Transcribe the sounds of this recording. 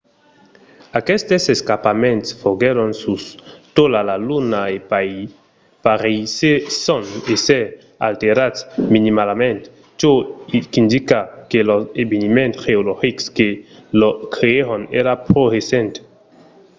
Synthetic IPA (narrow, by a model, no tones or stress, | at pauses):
akɛst̪eseskapamẽnt̪sfoɡeɾonsust̪olalalunaepai | paɾisesɔnese | a̰lt̪eɾasminimalamẽnt̪ | t͡ʃoikind̪ikakelɔsebenimẽntxeoloxikskelokɾeeɾoneɾapɾoɣesɛ̃nt̪